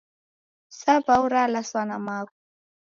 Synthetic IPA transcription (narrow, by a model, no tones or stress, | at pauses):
sapauɾalaswanamak̚u̥